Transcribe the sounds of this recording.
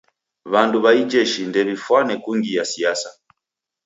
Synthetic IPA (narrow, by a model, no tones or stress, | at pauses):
βanduβaid͡ʒɛʃindɛβifwanɛkuŋɡijasiasa